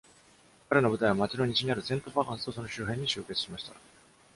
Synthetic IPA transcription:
kaɾe̞no̞bɯ̟t̪aiβamat͡ɕino̞ɲ̟it͡ɕiɲ̟iaɾɯ̟sẽ̞nt̪obakãɰ̃sɨ̥oso̞no̞ɕɨːɦẽ̞ɲ̟ːiɕɨːke̞t͡sɨ̥ɕimaɕi̥t̪a̰

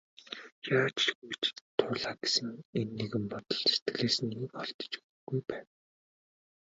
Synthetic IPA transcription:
jaːt͡ɕɡit͡ɕt̪ʰːʊːɮaːɡ̥esɘ̆ŋenːeɣɘ̆mpɔt̪ɞ̆ɮt͡ɕse̥t̪ɡɮeːsɘ̆niːkɔɮt̪ɞ̥̆t͡ɕ | ɡujpæːn

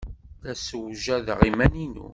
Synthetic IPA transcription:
θæsəwʒæðʁimæninṵ

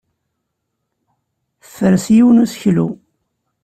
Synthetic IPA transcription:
θθːəɾsjiwnusçlṵ

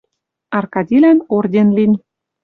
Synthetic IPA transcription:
ɑrkɑd̪ʲilænord̪ʲenlinʲ

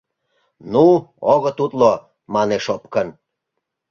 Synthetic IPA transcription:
nuoɣə̆t̪ut̪lo | mɑneʃopkən

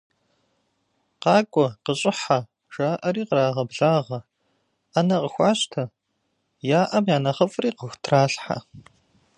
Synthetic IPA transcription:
qɑːkʷʼɔqəɕʼɪħa | ʈ͡ʂaːʔɐɾiːqəɾaːʁɐbɮaːʁɐ | anɐqəxʷɑːɕtʰɐ | jaːʔɐmjaːnɐχɐfʼriːqəxʷtʰraːɬħa̰

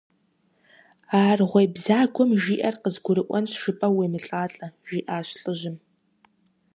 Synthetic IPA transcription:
aːrʁʷɐjbzaːɡʷɔmʒiːʔɐrqəzɡʷʊɾɨʔʷʼɔ̰nɕʂɨpʼɐweːmɨɬʼaːɬʼɐʒiːʔaːʃɬʼɨʒɪm

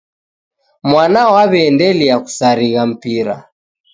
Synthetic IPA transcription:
mwanawaβɛːndɛliaku̥saɾiɣam̩piɾa̰

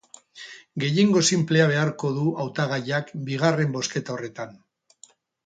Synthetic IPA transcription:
ɡe̞je̞ŋɡo̞simple̞aβ̞e̞aɾko̞ðuawt̪aɣ̞aʎakbiɣ̞are̞mbo̞ske̞t̪ao̞re̞t̪an

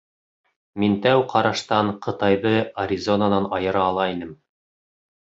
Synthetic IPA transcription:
mint̪æwqʰɑɾɑʃt̪ɑɴqɤ̆t̪ɑjðɤɐɾʲizonanɑnɑjɤ̆ɾɑːlˠɑinɘm

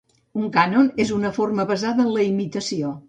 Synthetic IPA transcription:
uŋkanonezunəforməβəzaðəːnləimit̪əsio

